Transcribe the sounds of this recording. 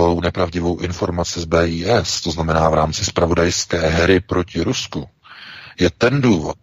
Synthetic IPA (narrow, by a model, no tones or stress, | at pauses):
alownɛpɾavɟɪvo̞wʔɪnfo̞ɾmat͡sɪzbɛːiːʔɛst̪o̞znamɛnaːvɾaːmt͡sɪspɾavo̞dajskɛːɦɛɾɪpɾo̞cɪɾusku | jɛt̪ɛnduːvo̞̰t̪̚